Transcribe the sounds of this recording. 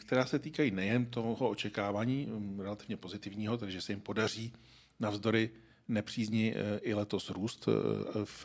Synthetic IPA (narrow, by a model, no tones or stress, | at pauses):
kt̪ɛɾaːsɛt̪iːkajiːnɛjɛnt̪oho̞ot͡ʃɛkaːvaːɲiːɾɛlat̪ɪvɲɛpozɪt̪ɪvɲiːɦo̞t̪ɛdɪʒɛsɛjɪmpo̞dar̝iː | navzdo̞ɾɪ | nɛpr̝̥iːzɲɪʔɪlɛt̪o̞sɾuːst̪f